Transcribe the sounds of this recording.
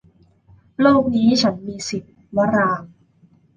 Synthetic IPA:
loː˥˩k̚niː˦˥t͡ɕʰa˦˥nmiː˧si˨˩t̪̚ | wa˦˥ɾaː˧ŋ

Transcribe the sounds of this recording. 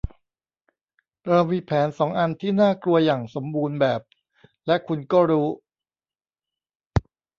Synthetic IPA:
ɾa˧wiː˧˥pʰɛː˩˦nsɔː˩˦ŋʔa˧nt̪ʰiː˥˩naː˥˩klu˧ɐjaː˨˩ŋso˩˦mbuː˧nbɛː˨˩p̚ | lɛ˦˥ʔkʰu˧nkɔː˥˩ɾuː˦˥

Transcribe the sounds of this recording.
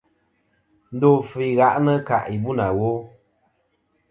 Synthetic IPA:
n̩˦do˦˨fi˨ɣa˨ʔnə˦ka̰˨ʔi˨bu˦na˨wo˦

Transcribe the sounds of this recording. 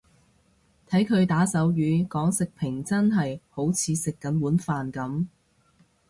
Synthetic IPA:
t̪ʰɐ˨˥jkʰɵ˨˧ɥt̪aː˨˥sɐ˨˥wjyː˨˧kɔː˨˥ŋsɪ˨k̚pʰɪ˨˩ŋt͡sɐ˥nɦɐ˨jho˨˥wt͡sʰiː˨˧sɪ˨kːɐ˨˥nwuː˨˥nfaː˨nkɐ˨˥m

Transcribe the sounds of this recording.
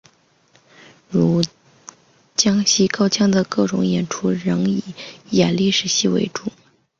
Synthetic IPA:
ɻu˧˥ | t͡ɕjɑ˥ŋɕi˥kɑ˥ʊt͡ɕʰjɑ˥ŋd̪ə˨kɤ˥˩ʈ͡ʂʊ̰˧˥ŋjɛ˨˩nʈ͡ʂʰu˥ɻɤ˧˥ŋi˨˩˦jɛ˨˩nli˥˧ʂɻ̩˧˩ɕi˥˧wḛ˧˥ɪʈ͡ʂu˨˩˦

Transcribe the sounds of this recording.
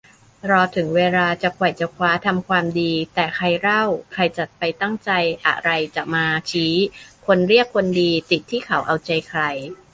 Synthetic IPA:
ɾɔː˧t̪ʰɯ˩˦ŋweː˧laː˧t͡ɕa˨˩kʰu˨˩jt͡ɕa˨˩kʰwaː˦˥t̪ʰa˧mkʰwaː˧mdiː˧t̪ɛː˨˩kʰɾa˧jɾa˥˩wkʰɾa˧jt͡ɕa˨˩t̪̚pa˧jt̪a˥˩ŋt͡ɕa˧jʔa̰˧˩ɾa˧jt͡ɕa˨˩maː˧t͡ɕʰiː˦˥kʰo˧nɾi˥˩əkʰːo˧ndiː˧t̪i˨˩t̪ʰːiː˥˩kʰa˩˦wʔa˧wt͡ɕa˧jkʰɾa˧j

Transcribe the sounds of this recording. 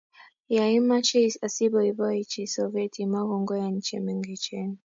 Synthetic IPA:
jai˦ma˦t͡ʃɛ˦sa˨si˦bɔibɔ˦i˦t͡ʃisɔvɛ˦tʰima˦ɣɔŋɡɔ˦ja˨ɲ̩˦t͡ʃɛ̰˨mi˨ŋɡi˨t͡ʃɛni

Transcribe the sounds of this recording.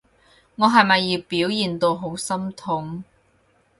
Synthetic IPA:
ŋɔː˨˧ɦɐ˨jmɐ˨jːiː˨˧wpiː˨˥wjiː˨nt̪o˧wɦo˨˥wsɐ˥mt̪ʰʊ˨˥ŋ

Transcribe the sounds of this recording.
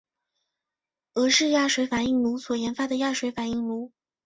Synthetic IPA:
ɤ˧˥ʂɻ̩˥˧ja˥˩ʂwe˧˥ɪfa˨˩ni˥˩ŋlu˧˥swɔ˨˩jɛ˧˥nfa˧˥d̪ə˨ja˥˩ʂwe˧˥ɪfa˨˩ni˥˩ŋlu˧˥

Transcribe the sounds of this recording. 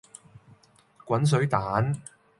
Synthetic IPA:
kʷɐ˨˥ns̬ɵ˨˥ɥt̪aː˨˥n

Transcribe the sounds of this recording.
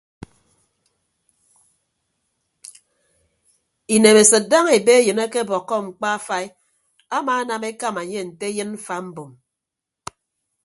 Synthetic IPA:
i˨ne˨me˨sɨ˨t̚da˦ŋe˨be˦e˦jɨ˨na˦ke˦bɔ˨kːɔ˦ŋ͡m̩˨k͡pa˦a˦fa˦i˦ | a˦maː˨˦na˨me˦ka˦ma˨ɲe˦˨n̩˨te˦jɨ˦nm̩˦fa˦m̩˦bo˨m

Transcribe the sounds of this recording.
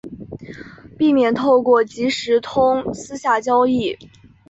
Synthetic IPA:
pi˥˧mjɛ˥˩nt̪ʰo˥˧ʊkwɔ˥˩t͡ɕi˧˥ʂɻ̩˧˥t̪ʰʊ˥ŋsɹ̩˥ɕja˥˩t͡ɕjɑ˥ʊi˥˩

